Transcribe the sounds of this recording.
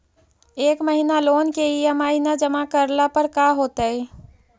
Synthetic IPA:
ekməɦinalonkeiəmainad͡ʒəmakəɾlapəɾkaɦot̪əj

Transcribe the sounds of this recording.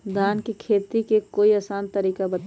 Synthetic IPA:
d̪ʱaːnkekʰeːt̪ikekoːiəsaːnt̪əɾiːkabət̪

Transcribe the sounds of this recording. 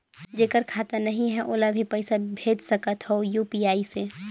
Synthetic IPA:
d͡ʒeːkəɾkʰaːt̪ənəɦĩɦɛ̃ʔoːlabʱipɛɪsabʱeːd͡ʒsəkət̪ɦɛojuːpiaːise

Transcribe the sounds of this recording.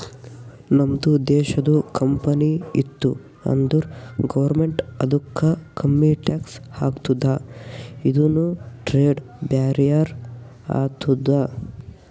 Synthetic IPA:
nɐmd̪ud̪ɛːʃɐd̪ukʰɐmpɐniit̪ːu | ɐ̰nd̪uɾɡɐʋɐɾmeɳʈɐd̪ʱukʰːɐkʰɐmːiʈaːkshaːɡt̪ud̪a | id̪unuʈɾeːɖ | baːɾijɐɾ | a̰ːt̪ud̪a

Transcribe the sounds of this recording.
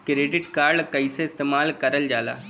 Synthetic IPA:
kɾeːɖɪʈkaːɾɖkəiseɪst̪eːmaːlkɐɾəld͡ʒaːla̰ː

